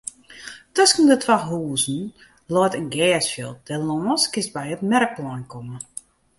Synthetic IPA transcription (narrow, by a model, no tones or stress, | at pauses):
tɔskəndətʰwaɦuːzn̩ | lɔjtənɡɛːsfjə̰lˠd̥ɛlɔːskɪst̚bɛjətmɛɾək̚plɔjnkʰomə